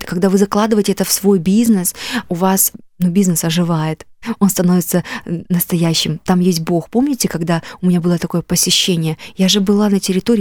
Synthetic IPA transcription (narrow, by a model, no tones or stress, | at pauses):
kɐɡd̪avɨzɐklˠad̪ɨvəjɪtʲɪɛt̪əfsvo̞jbʲiznɨsʊvasnubʲiznɨsɐʐɨvajɪt̪o̞nst̪ɐno̞vʲɪt̪sənəst̪ɐjæɕːɪmt̪amjesʲt̚ʲbo̞xpo̞mnʲɪtʲɪkɐɡd̪aʊmʲɪnʲabɨlˠət̪ɐko̞jəpəsʲɪɕːenʲɪjəjaʐɨbɨlˠanətʲɪɾʲɪt̪o̞ɾʲɪ